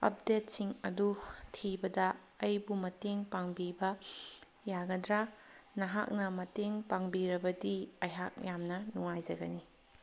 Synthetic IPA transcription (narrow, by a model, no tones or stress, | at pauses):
ɐ̰p̚det̚siŋɐdutʰibɐdɐ | ɐjbumɐteŋpaŋbibɐ | jaɡɐdɾanɐɦa̰k̚nɐmɐteŋpaŋbiɾɐbɐdiɐjɦak̚jamnɐnuŋajd͡ʒɐɡɐni